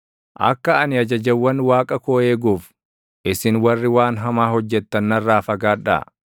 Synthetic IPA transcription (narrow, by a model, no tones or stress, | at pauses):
ʔɐ̰kːɐɐnɪɐd͡ʒɐd͡ʒɐwːɐnwaːkʼɐkoːe̞ːɡuːf | ʔɪsɪnwɐrːɪwaːnɦɐmaːhɔd͡ʒːɛt̪ːɐnːɐrːaːfɐɡaːᶑɐ̰